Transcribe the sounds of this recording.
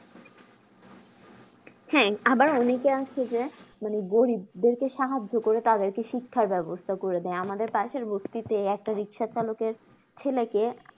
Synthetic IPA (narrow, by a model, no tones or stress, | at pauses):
hɛabaɾɔnekeaʃʰed͡ʑemaneɡoɾibd̪eɾkeʃaɦad͡ʑːokoɾet̪ad̪eɾkeʃikʰːaɾbɛbost̪ʰakoɾed̪ɛeamad̪eɾpaʃeɾbost̪it̪eɛk̚ʈaɾikʃat͡ɕalokeɾ | t͡ɕʰeleke